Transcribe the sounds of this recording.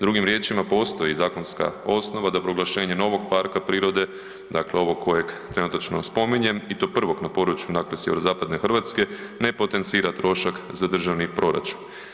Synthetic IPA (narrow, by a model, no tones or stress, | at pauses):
d̪ɾuɡimɾje̞ːt͡ʃimapo̞ːst̪o̞jizaːko̞nska̰o̞sno̞ʋad̪apɾo̞ɡlaʃe̞ːɲe̞no̞ʋo̞ɡpaɾkapɾiːɾo̞d̪e̞ | d̪akleo̞ʋo̞kʰːo̞je̞kt̪ɾe̞nut̪at͡ʃno̞̰spo̞miɲe̞mit̪o̞pr̩ʋo̞knapo̞d̪ɾut͡ʃjunaklesjeʋeɾozaːpad̪ne̞xrʋat̪ske̞ne̞po̞t̪e̞nt̪siːɾat̪ɾo̞ʃakzad̪r̩ʒaʋnipɾo̞ɾa̰t͡ʃun